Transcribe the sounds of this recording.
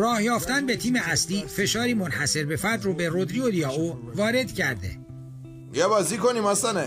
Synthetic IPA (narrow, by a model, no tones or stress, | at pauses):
rɒːhjɒːft̪ænbe̞t̪ʰiːmeʔæsliːfe̞ʃɒːɾiːmonhæse̞ɾbefæɾd̪roːbe̞rod̪ɾiolijɒːovɒːɾe̞d̪̥cʰæɾd̪ḛ | jæbɒzikoniːmæsæne